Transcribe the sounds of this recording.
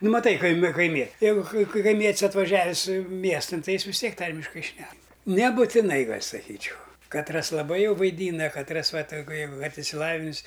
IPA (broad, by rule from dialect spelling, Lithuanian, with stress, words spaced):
ˈnʊ mɐˈtɐɪ kɐɪˈmʲɪ kɐɪˈmʲiɛ ˈjɛɪɡʊ kɐɪ kɐɪˈmʲiɛtʲsʲ ɐtʋɐˈʒʲæːʋʲɪsʲ ˈmʲiɛstɐn ˈtɐɪ ˈjɪs ʋʲɪs ˈtʲiɛk ˈtɐrʲmʲɪʃkɐɪ ˈʃʲnʲɛk nʲɛbʊtʲɪˈnɐɪ ˈɡɐlʲ sɐˈkʲiːt͡ʃʲɛʊ kɐtˈrɐs lˠɐˈbɐɪ ˈjɛʊ ʋɐɪˈdʲiːnɐ kɐtˈrɐs ˈʋɐ tɐɪ ɡʊ jɛʊ ʋɐt ɪʃʲsʲɪˈlˠɑːʋʲɪnʲɪs